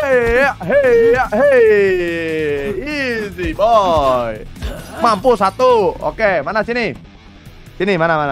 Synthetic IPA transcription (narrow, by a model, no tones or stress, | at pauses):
eaɦeaɦe | izibɔjmampusat̪uo̰kemanasini | sinimanamana